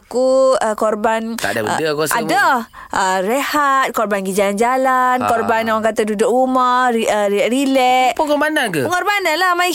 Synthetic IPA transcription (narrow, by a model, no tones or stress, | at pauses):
akuəkɔrbant̪a̰da̰ədəkosa̰dah | ʔərehat̪̚kɔrbanɡid͡ʒaland͡ʒalankɔrbanawaŋkat̪adudʊkruməiəʔrilɛʔpuŋɔmanakəpəŋɔrbanalahmai